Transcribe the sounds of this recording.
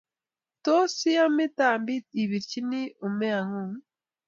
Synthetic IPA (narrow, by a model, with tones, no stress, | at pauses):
to˦si˦a˦mi˦taː˨mbi˦ti˨βi˨ɾt͡ʃi˦ni˦u˨me˦a˨ŋu˦˨